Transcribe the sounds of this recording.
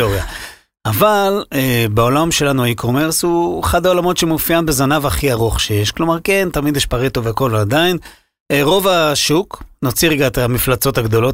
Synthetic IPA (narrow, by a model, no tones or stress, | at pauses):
oʁja | avalebeo̞lamʃe̞lanuaikʰo̞meʁshueχad̪ao̞lamo̞tʃemufjanbe̞zanavaχiaʁoχʃe̞jeʃklo̞maʁke̞nt̪amid̪jɛʃpaʁit̪oveako̞lad̪ain | eʁo̞vaʃuknot͡siʁɡat̪amiflat͡so̞t̪haɡd̪o̞lo̞t